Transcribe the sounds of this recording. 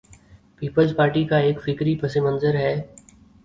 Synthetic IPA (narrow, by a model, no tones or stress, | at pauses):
piːpəlzpaːɾʈikaeːkfɪkɾipʰɐsemə̃nzəɾɦɛː